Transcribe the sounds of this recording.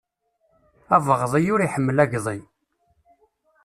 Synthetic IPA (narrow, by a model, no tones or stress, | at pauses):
ævəʁðˤijʊɾiħəmːəlæʝðˤin